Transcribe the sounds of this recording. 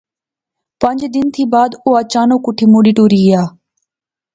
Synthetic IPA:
pəɲd͡ʒd̪ɪnt̪ʰiːbaːd̪ʊːaːt͡ʃaːnoːkʊʈʰiːmoːɗiːʈoːɾiːɡɪjaː

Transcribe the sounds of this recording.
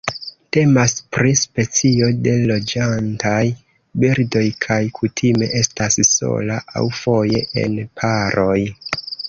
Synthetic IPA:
te̞maspɾispe̞t͡sio̞de̞lo̞d͡ʒantaj | biɾdo̞jkʰajkʰutʰime̞ʔe̞stasso̞̰laʔa̰wfo̞je̞̰ʔe̞̰npʰaɾo̞j

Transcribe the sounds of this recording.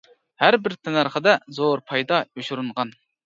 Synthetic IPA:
hæɾbɪɾt̪ʰɛnæɾχəd̪ɛzoɾpʰɑjd̪ɑoʃuɾunʁɑn

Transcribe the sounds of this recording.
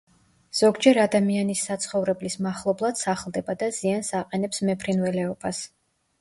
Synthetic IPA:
z̥ɔɡd͡ʒɛɾad̪amianisːat̪sʰχɔvɾɛblismaχlˠɔblˠad̪̥saχlˠd̪ɛbad̪aziansaqʼɛnɛpsmɛpʰɾinvɛlɛɔb̥as

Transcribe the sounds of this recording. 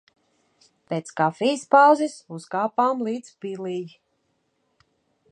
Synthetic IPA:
peːt̪skafijspawzɛsuzɡaːpaːmlˠiːd̪z̥pilij

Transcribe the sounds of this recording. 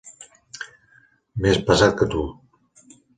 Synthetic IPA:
mespəzat̪̚kət̪u

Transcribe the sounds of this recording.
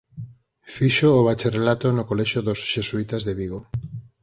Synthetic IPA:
fiʃoːβ̞at͡ʃerelat̪onokolɛʃoðosʃesuit̪azðeβiɣo

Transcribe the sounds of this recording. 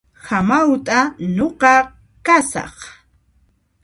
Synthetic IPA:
hamawt̪ʼanoqɑ | kasɑ̰χ

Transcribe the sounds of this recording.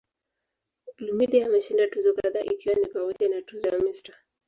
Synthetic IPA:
lumidiaːmɛʃindatuzɔkaðaʔikiwanipamɔʄanatuzɔjamista

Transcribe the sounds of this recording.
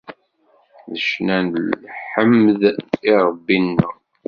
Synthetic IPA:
ðəʃnænlħəmːðiɾˤəbːinːə̰

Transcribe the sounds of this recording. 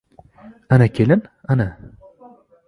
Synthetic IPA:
anakʲʰelɪnana

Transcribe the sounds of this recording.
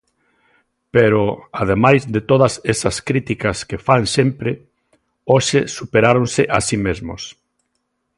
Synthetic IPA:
peɾoað̞emajzðɪt̪oðɐsesɐskɾit̪ikɐskefansempɾɪ | oʃesupeɾaɾonsɪʔa̰simezmʊ̰s

